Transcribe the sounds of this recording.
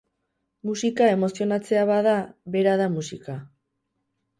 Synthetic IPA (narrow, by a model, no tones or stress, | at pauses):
musikae̞mo̞sio̞nat͡se̞aβaðaβe̞ɾaðamusika